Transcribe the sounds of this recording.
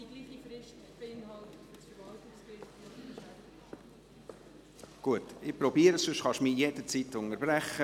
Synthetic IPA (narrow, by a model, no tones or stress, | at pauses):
iɡliːχifɾɪʃt | b̥ɪnhɑltfsfəɾʋɑltɪksbɪt | ɡ̥uətɪpɾɔbiːəɾəsʏʃχɑʃmijed̪ət͡sit̪ʊnəɾbɾæχə